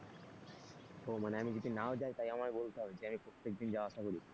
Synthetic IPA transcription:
ɦomaneamid͡ʑod̪ʱinaod͡ʑajt̪ajamakebolt̪eɦɔbed͡ʑeamipɾot̪ːekd̪ind͡ʑawaaʃakoɾi

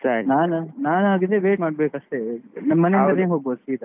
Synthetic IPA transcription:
sɐɾinaːnnaːnaːɡid̪eʋeːʈmaːɖ̚beːkɐʂt̪enɐmːɐneinɐneːɦoːɡbosiːt̪ɐ

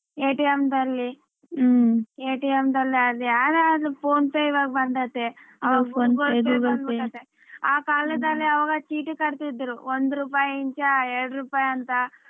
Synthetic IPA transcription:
eːʈiemd̪ɐlːi | eːʈiemd̪ɐlːiaːɾliaːd̪ɾeɐd̪upʰoːnpɐjiʋaːɡɐbɐnd̪ɐt̪ːeɐʋaɡɐoːɡoɡobʈɐt̪ːe | aːkaːlɐd̪ɐlːiɐʋaːɡɐt͡ʃiːʈukɐɽt̪id̪ːɾuond̪uɾuːpaːjiɲt͡ʃɐɛɾɽɾuːpaːjɐnt̪ɐ

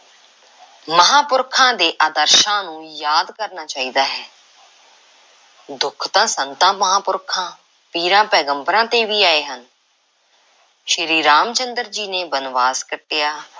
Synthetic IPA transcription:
məɦaːpʊɾkʰãːd̪eːʔaːd̪əɾʃãːnũːjaːd̪kəɾnaːt͡ʃaːiːd̪aːɦɛː | d̪ʊkʰt̪ãːsənt̪ãːməɦãːpʊɾkʰãː | piːɾãːpɛːɡəmbɾãːt̪eːʋiːaːeːɦən | ʃəɾiːɾaːmt͡ʃənd̪əɾd͡ʒiːneːbənʋaːzkəʈːejaː

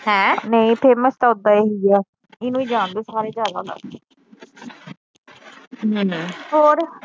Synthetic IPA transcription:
hɛ̃ːneĩpʰeːməst̪aːʊd̪aːeːɦiɛː | ɪnũːiːd͡ʒãːnd̪eːsaːɾeːd͡ʒaːd̪a̰ːd̪a̰ː | ɦɦoːɾ

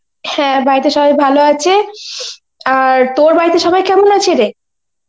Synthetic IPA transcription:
hɛ̃baɾit̪eʃɔbajbʱaloat͡ɕʰe | aɾt̪oɾbaɾit̪eʃɔbajkɛmonat͡ɕʰeɾe

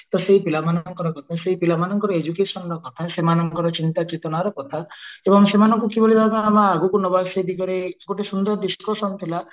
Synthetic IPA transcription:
t̪ɔseipilamanɔɔŋkɔɾɔkɔt̪ʰaseipilamanɔŋkɔɾɔed͡ʒukesɔnɔɾɔkɔt̪ʰasemanɔŋkɔɾɔt͡ʃint̪akit̪ɔnaɾɔkɔt̪ʰaebɔŋsemanɔŋkukiboɭibʱakamaaɡukunɔbased̪ikɔɾeɡoʈesund̪ɔɾd̪iskosɔnt̪ʰila

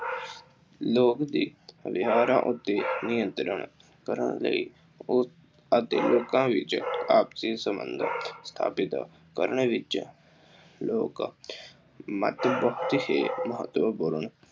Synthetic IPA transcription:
loːkd̪iːʋɪɦaːɾã̰ːʔʊt̪ːeːnɪjənt̪ɾəɳ | kəɾə̰ɳlə̰iː | ət̪ḛːloːkãːʋɪt͡ʃaːpsiːsəmə̰nd̪st̪ʰa̰ːpɪt̪ | kə̰ɾɳeʋɪt͡ʃ | loːk | mə̰t̪bəɦʊt̪heːməɦət̪ːʋəpʊɾəɳ

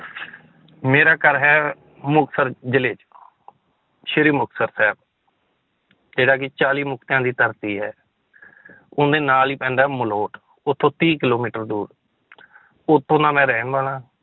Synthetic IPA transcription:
meːɾaːkəɾɦɛː | mʊksəɾd͡ʒɪleːt͡ʃ | ʃɪɾiːmʊksəɾsɛːb̚ | d͡ʒeːɽaːkɪt͡ʃaːliːmʊk̚t̪jãːd̪iːt̪əɾt̪iːɦɛː | ʊnd̪eːnaːliːpɛ̃ːɳɖaːməloːʈ | ʊt̪ʰːõːt̪iːkɪloːmiːʈəɾd̪uːɾ | ʊt̪ʰːõːnãːmɛ̃ːɾɛːnbaːlãː

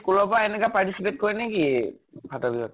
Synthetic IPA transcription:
kulɔpaɛnɛkapaɹtisipet̚koɹineɡi | bʱatɔbiɦɔt

